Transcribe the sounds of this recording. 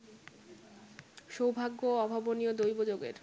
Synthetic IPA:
ʃowbʱaɡːoɔbʱaboniod̪ojbod͡ʑoɡḛɾ

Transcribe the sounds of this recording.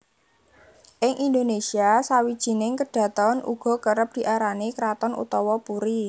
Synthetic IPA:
ʔɪŋʔind̪onesiasawid̥ʒ̥i̤nɪŋkəɖ̥ä̤t̪ɔnʔṵɡ̥ɔ̤kəɾəp̚d̪̥i̤ʔaɾanekɾat̪ɔnʔṵt̪ɔwɔpuɾi

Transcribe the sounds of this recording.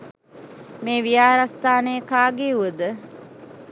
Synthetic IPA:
meːʋijaːɾast̪aːnəjəkaːɡeuʋəd̪ə

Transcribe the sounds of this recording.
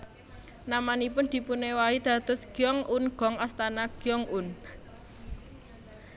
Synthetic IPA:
namanipʊnd̪̥i̤punewaid̪̥ä̤d̪̥ɔ̤sɡ̥jɔŋunɡ̥ɔ̤ŋast̪anaɡ̥jɔŋun

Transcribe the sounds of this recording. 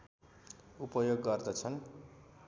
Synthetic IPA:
upʌjoɡːʌrd̪ʌt͡sʰʌn

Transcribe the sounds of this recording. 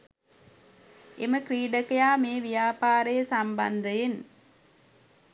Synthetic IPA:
ʔemɐkriːɖɐkɐjaːmeːʋijaːpaːɾɐjɐsɐmbɐnd̪ɐjen

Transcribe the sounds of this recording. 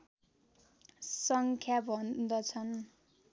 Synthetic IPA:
sʌŋkʰjabʱʌnd̪ʌt͡sʰʌn

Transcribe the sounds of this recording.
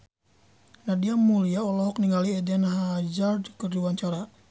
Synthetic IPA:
nadiamuliaɔlɔɦɔkniŋɡaliɛdɛnɦad͡ʒardkərdiwaɲt͡ʃaɾa

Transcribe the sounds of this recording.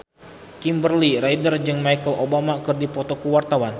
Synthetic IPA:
kimbərlirajdərd͡ʒɨŋmajkəlʔobamakɨrdipɔt̪okuwart̪awan

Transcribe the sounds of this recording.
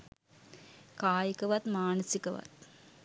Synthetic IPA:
kaːjəkɐʋɐt̪maːnəsikɐʋɐ̰t̪̚

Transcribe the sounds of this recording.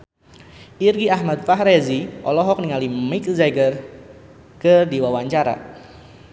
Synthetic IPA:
irɡiahmat̪̚faɦɾɛziʔɔlɔɦɔk̚niŋalimikzajɡər | kərdiwawaɲt͡ʃaɾa̰

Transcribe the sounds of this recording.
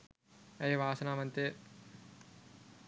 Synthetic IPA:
ɐjʋaːsɐnaːmɐnt̪e

